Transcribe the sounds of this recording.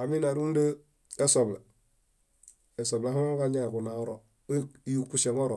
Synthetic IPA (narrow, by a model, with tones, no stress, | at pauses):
a˨mi˦na˨ɾu˦n˦də˦ | e˦so˨bla˨ | e˨so˨bla˨˦ha˦ka˦ɲa˦˨ku˨na˨o˦ɾo˨˦ | ju˦˨ku˦se˨ŋo˦ɾo˨